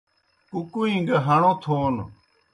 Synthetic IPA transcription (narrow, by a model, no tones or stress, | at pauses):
kukuĩŋɡəɦəɳõːt̪ʰoːn